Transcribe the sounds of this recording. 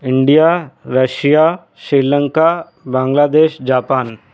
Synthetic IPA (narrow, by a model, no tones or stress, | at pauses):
ɪ̃ɳɖijaɾɐʃija | sɾiːlə̃ŋka | bãːŋɡlaːd̪eːʃd͡ʒaːpaːn